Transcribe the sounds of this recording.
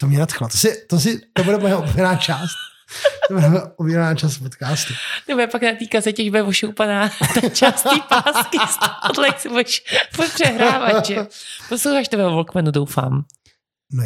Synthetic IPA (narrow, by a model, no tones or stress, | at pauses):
t̪omɲɛnat̪xlot̪osɪt̪os̬ɪt̪obuɾɛpɛoʔobvɛnaːt͡ʃaːst̪̚ | t̪obuɾɛobɛvɛnaːt͡ʃaspot̪kaːst̪ut̪obɛpaknat̪iːkazɛcɛʒbuɛvoʃowpanaːt̪at͡ʃastiːpaːskɪspodlɛksɪbudɛʃfopr̥ɛɦɾːvat̪ʒɛposlowxaːʃt̪obɛɛvolkmɛnudowfa̰ːm | no